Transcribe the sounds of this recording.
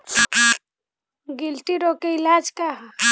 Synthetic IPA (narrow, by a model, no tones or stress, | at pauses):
ɡɪlʈiɾoːkeɪlaːd͡ʒka